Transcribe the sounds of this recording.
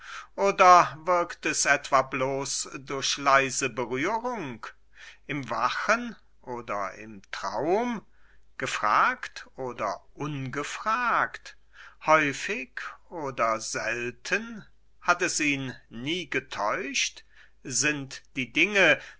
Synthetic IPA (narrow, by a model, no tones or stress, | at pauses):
ʔoːdɐvɪɐktɛsɛtv̥abloːsdʊɐçlaɪzəbəʁyːʁʊŋk | ʔɪmva̰χən | ʔoːdɐ̰ɪ̰mtʁ̥a̰ʊm | ɡ̥əfʁ̥a̰ːktʔoːdɐ̰ʔʊnɡəfʁ̥aːkt | hɔʏfɪçoːdɐzɛltʰən | hatɛsiːnːiːɡətʰɔʏʃt | zɪntd̥iːdɪŋə